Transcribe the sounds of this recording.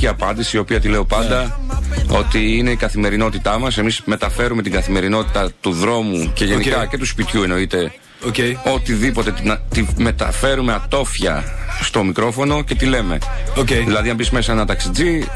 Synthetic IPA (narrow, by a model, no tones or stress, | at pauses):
iɐpɐnd̪isiːo̞piɐt̪ile̞o̞pɐnd̪ɐ | o̞t̪iine̞ikɐθime̞ɾino̞t̪it̪ɐmɐse̞mizme̞t̪ɐfe̞ɾume̞t̪iŋɡɐθime̞ɾino̞t̪i̥t̪ɐt̪uðɾo̞muce̞ʝenikɐce̞t̪uspit̪çue̞no̞it̪e̞ | oceo̞t̪iðipo̞t̪e̞nɐt̪ime̞t̪ɐ̰fe̞ɾume̞ɐt̪o̞fçɐ̰st̪o̞mikɾo̞fo̞no̞ce̞t̪ile̞me̞̰ | oceðilɐðinɐbisme̞sɐenɐt̪ɐksid͡zi